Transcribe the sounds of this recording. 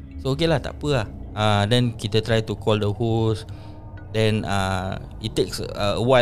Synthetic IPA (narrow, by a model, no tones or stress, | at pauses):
sookelaht̪a̰ʔpəahãdɛ̃nkit̪ət̪ɾajt̪ukʰɔldəhos | dɛ̃na̰ | ittːeksəəwa